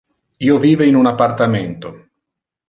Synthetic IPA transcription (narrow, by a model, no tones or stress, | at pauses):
iːoviːveinunapːart̪ament̪o